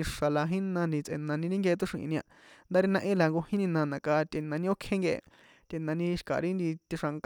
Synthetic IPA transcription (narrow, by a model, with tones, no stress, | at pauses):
i˧ʂa˨la˧ɦĩ˦nã˧nd̪i˧t͡sʔḛ˧˨nã˧nĩ˧ɾĩ˦ŋɡe˧t̪o˦ʂḭ̃˧ʔḭ̃˧nĩ˧ã˧nd̪a˦ɾi˧nã˧ʔẽ˦la˧ŋɡo˧hĩ˦nĩ˧nã˧nã˨ka˧t̪e˧nã˧nĩ˧o˦kʰẽ˦ŋɡe˧ḛ˧ | t̪ʲe˧nã˧nĩ˧ʃi̥˧ka̰˨ɾi˦nd̪i˧t̪i˧ʂa˧ŋk